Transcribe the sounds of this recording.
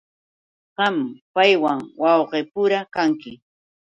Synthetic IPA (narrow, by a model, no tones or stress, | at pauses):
ɢɑmpajwaŋwɑwɢeːpʊɾakaŋkɪ